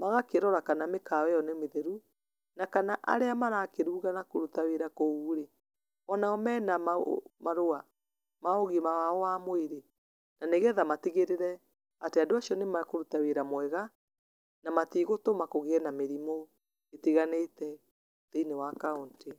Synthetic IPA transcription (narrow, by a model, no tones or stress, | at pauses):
maɣakeɾɔɾakanamekawɛjɔnemeðɛɾu | nakanaʔa̰ɾeamaɾakeɾuːɣanakoɾutaweɾakouːɾe | ɔnaɔmɛːnamamaɾoa | maoɣemawaɔwamoeɾe | naneɣɛðamatiɣeɾeɾɛ | ateadoasiɔnemakoɾutaweɾamwɛɣa | namatiɣotomakoɣeɛnameɾimo | etiɣanetɛ | teinewakaonte